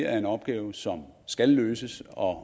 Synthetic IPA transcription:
æɐe̝nɒ̽b̥̚ɡ̥ɛːʊsɒ̽msɡ̥ælːøːsəsɒ̽

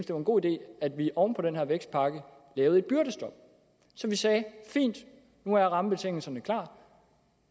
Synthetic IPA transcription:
n̩msd̥e̝ʋɑe̝nɡ̥o̝̰ːid̥e̝̰ːæd̥ʋiʔɒʊnpʰɒ̽d̥enɦeɐ̰ʋeɡ̥sd̥̚pʰɑ̈ɡ̥ə | lɛːʊe̝d̥̚b̥yɐ̰ɾ̥əsd̥ɒ̽b̥̚ | sɒ̽mʋisɛːfḭːnd̥ | nuæjʁɑ̈məb̥e̝t͡sʰe̝ŋ̰l̩sɐnəkʰlɑ̰̥̈ː

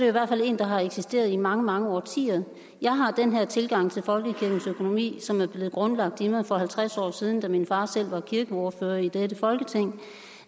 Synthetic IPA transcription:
eoiʋæɐ̥fæle̝̰ːnd̥ɑ̈ɦɑ̈eɡ̥sisd̥e̝̰ːɐð̞̩ˠimɑ̈ŋəmɑ̈ŋəɒ̰ːt͡sʰḭːɐð̩ˠ | jɑ̈ɪɦɑ̈d̥enɦeɐt͡sʰe̝lɡ̥ɑ̈ŋ̰t͡sʰe̝lfɒ̽lɡ̥əkʰiɐɡ̥n̩søkʰo̝no̝mḭːsɒ̽mæɐb̥le̝ːð̩ˠɡ̥ʁɔ̽nlɑ̈ɡ̥̚d̥imɑɪfɒ̽ɦælt͡sʰʁasɒ̰ːsiːð̞ˠn̩d̥æminfɑ̈ːsel̰ʋɑ̈kʰiɐɡ̥əɒːføːɐid̥edəfɒ̽lɡ̥ət͡sʰeŋ̰

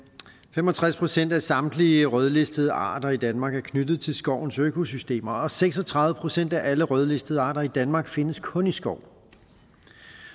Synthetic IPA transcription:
femɒ̽t͡sʰʁaspʰʁo̝sen̰d̥æsɑ̈md̥liəʁœð̞ˠle̝sd̥əð̞ˠəɑ̰̈ːd̥ɐid̥ænmɑ̈ːɡ̥æɐkʰnyd̥ð̩ˠt͡sʰe̝lsɡ̥ɒʊ̰nsøkʰo̝sysd̥e̝̰ːmɐɒ̽seɡ̥sɒ̽t͡sʰʁɑ̈ððˠəpʰʁosen̰d̥æʔæləʁœðˠle̝sd̥əðˠəɑ̈ːd̥ɐid̥ænmɑ̈ɡ̥fe̝nəskʰɔ̽nisɡ̥ɒʊ̰

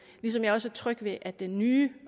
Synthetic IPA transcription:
lis̬ɒ̽mjɑ̈ɒ̽sæt͡sʰʁœɡ̥ʋe̝ʔædd̥enːyː

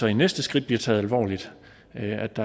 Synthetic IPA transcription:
ɒ̽inesd̥əsɡ̥ʁid̥̚bliɐt͡sʰɛ̰ːð̞̩ˠælʋɒ̰ːlid̥ | æd̥ɑ

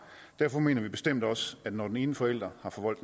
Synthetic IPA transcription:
d̥æɐfɒ̽me̝̰ːnɐʋib̥e̝sd̥em̰d̥ɒ̽sæd̥nɒd̥ene̝ːn̩əfɒ̽el̰d̥ʁɐhɑ̈fɒ̽ʋɒl̰d̥

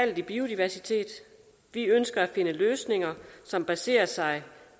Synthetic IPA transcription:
æl̰d̥ib̥iːo̝d̥iʋæɐsit͡sʰe̝̰ːd̥ | ʋiønsɡ̥ɐæfe̝nəløːsne̝ŋɐsɒ̽mb̥æse̝̰ːɐsɑ̈ɪ

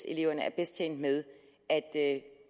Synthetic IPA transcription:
se̝le̝ʊɐnəæɐb̥est͡ɕʰen̰d̥með̞ˠ | æd̥

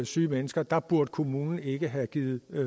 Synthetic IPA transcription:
syːmenəsɡ̥ɐd̥ɑ̈b̥uɐ̰d̥əkʰo̝muːnn̩e̝ɡ̥əɦæɡ̥iːð̩ˠ

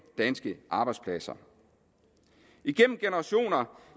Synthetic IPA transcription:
d̥ænsɡ̥əʔɑ̈b̥ɑ̈ɪd̥spʰlæsɐ̰ | iɡ̥en̰m̩ɡ̥e̝nəʁɑ̈ɕo̝̰ːnɐ

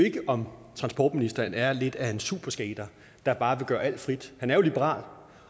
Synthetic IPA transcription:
e̝ɡ̥əʔɒ̽mt͡sʰʁɑ̈nsb̥ɒ̰ːd̥minisd̥ɐnæɐle̝d̥æe̝nsuːb̥ɐsɡ̥ɛːd̥ɐ | d̥ɑ̈b̥ɑ̈ːʋe̝ɡ̥ɶːɐæl̰d̥fʁid̥hænæɐjo̝lib̥əʁɑ̰̈ːl

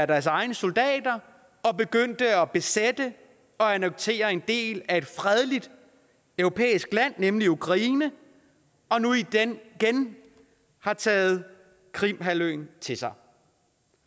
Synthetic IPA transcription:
ædæɐsɑ̈ɪnəsold̥ɛ̰ːd̥ɐ | ɒ̽b̥e̝ɡ̥øn̰d̥əɒ̽b̥e̝sed̥ə | ɒ̽ænɒ̽ɡ̥̚t͡sʰe̝̰ːɐe̝nd̥e̝̰ːlæe̝d̥fʁɛð̞ˠlid̥ | œʊʁo̝pʰḛːisɡ̥læn̰ːemliukʰʁɑ̈iːnə | ɒ̽nui̥ɡ̥en | hɑ̈t͡sʰɛ̰ːð̞̩ˠ | kʰʁim̰ɦæløːnt͡sʰe̝sɑ̈ɪ

